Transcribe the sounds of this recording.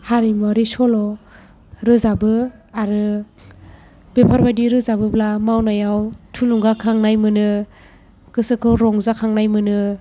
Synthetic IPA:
haɾimaɾisɔlɔ | ɾɯzabɯaɾɯ | bepʰaɾbadiɾɯzabɯblamawnajawtʰuluŋɡakʰaŋnajmɯnɯ | kɯsɯkʰɯwɾɔŋzakʰaŋnajmɯnɯ

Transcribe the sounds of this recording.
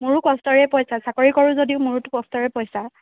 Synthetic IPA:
muɹukɔstɔɹɛpɔjsasakɔɹikɔɹuzodiʊmuɹutʊkɔstɔɹɛpɔjsa

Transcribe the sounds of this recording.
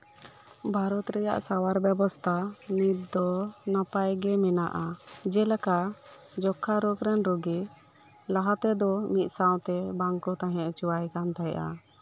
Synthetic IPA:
bʱaɾɔt̪ɾɛja̰ʔsawaɾbjɛbɔst̪ʰamit̪̚d̪ɔnapajɡɛmɛnaʔad͡ʒɛlɛka | d͡ʒɔkʰːaɾokɾɛnɾɔɡɛ | laɦat̪ɛd̪ɔmit̪̚ˀsaw̃t̪ɛbaŋkɔt̪aɦɛ̃ʔt͡ʃuwajkant̪ajʔa̰

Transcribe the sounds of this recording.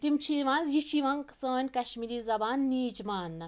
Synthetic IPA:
t̪imt͡ʃʰiʋãːnzjiʃiʋãːŋksəːnʲkɐʃmiːɾiːzɐbaːnːiːd͡ʒmaːn

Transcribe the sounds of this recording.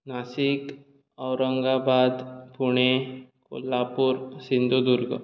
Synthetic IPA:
nasik | əwɾəŋɡabad̪puɽ̃eko̰lːapuɾsind̪ʱud̪uɾɡə̰

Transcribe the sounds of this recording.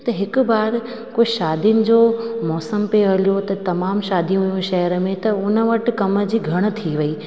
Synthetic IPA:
t̪ɐɦɪk̆baːɾ | koːʃaːd̪ʱiʊnɪ̆d͡ʑoːmɔːsəmpeɐljot̪ɐt̪ɐmaːmʃaːd̪ʱiũɦujũʃɐjəɾəmẽt̪ɐʊnə̆ʋɐʈ̆kɐmə̆d͡ʑiːɡʱɐɽ̃̆t̪ʰiʋɐiː

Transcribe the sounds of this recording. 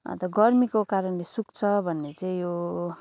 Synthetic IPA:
ʌ̰t̪ʌɡʌrmikokaɾʌnlesukt͡sʰʌbʱʌnːet͡saĩjo

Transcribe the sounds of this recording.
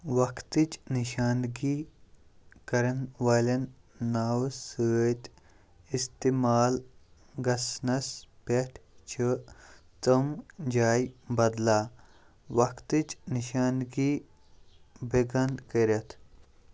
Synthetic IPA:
ʋɐkt̪it͡ʃniʃaːnɡi | kɐɾɐnʋaːlɐnː | aːwsət̪ | ist̪imaːl | ɡɐsnɐspeʈʰt͡ʃʰi | t̪əmd͡ʒaːjbɐd̪laː | wɐkt̪ɨt͡ʃniʃaːnɡiː | beɡɐnkəɾɐt̪ʰ

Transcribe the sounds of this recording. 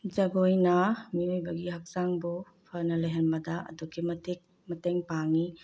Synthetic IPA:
d͡ʒɐɡojnɐmiojbɐɡiɦɐk̚saŋbu | pʰɐnɐlɐjɦɐnbɐdɐʔɐ̰dukʰimɐtik̚ | mɐteŋpaŋi

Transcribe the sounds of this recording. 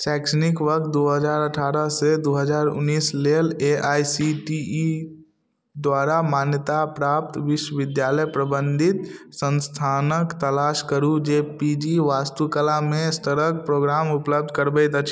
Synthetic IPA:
sɛːkʃənɪkʋək̚t̪̚d̪oːɦəd͡ʒaːɾəʈʰaːɾəsed̪oːɦəd͡ʒaːɾʊ̰nːiːsleleʔaːsiʈi | d̪waːɾamaːnjət̪apɾaːp̚t̪ʋɪʃwəʋɪd̪jaːləjpɾəbə̃nd̪ʱɪt̪sə̃nst̪ʰaːnəkt̪əlaːʃkəɾud͡ʒeːpid͡ʒiʋaːst̪ukəlamẽst̪əɾək̚pɾoːɡɾaːmʊpləb̚d̪ʱkəɾbət̪ət͡ʃʰ

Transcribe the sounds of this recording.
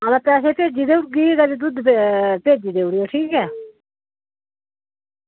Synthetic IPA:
alapɛːs̬eːpeːd͡ʒiːd̪eːʊʈ̚ɡiːɡɛːd̪ed̪ʊd̪epeːd͡ʒiːd̪eːʊɽɪjoːʈʰiːkɛː

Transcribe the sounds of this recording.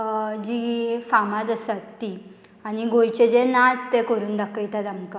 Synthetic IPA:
d͡ʑifamad͡z̪əsat̪ːi | añiɡojt͡ɕed͡ʑenad͡zt̪ekəɾuːnd̪akːəjt̪at̪amka

